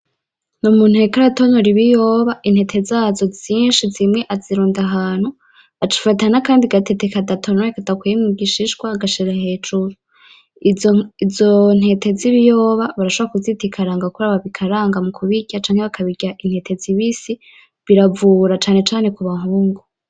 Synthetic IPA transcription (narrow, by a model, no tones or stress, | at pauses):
numuːn̥huekaɾatonoɾiβijoːβaʔin̥he̞tʰe̞zaːzo̞ziːnʃizimŋe̞ʔaziɾuːndaɦaːn̥hu | at͡ʃi̥fatanakaːndiɡatʰetekadatʰonoɾekadakwejimuɡiʃiʃɡwaːɡaʃiɾahe̞ːd͡ʒuɾu | izon̥he̞tʰe̞ziβijoːβaβaɾaʃoβɾakuzitikʰaɾaŋɡakuɾaβaβikʰaɾaːŋɡamukʰuβiɟat͡ʃaːŋ̥heβakʰaβiɟaʔin̥he̞tʰe̞ziβisi | βiɾavuɾat͡ʃaːne̞t͡ʃaːne̞kuβaɦuːŋɡu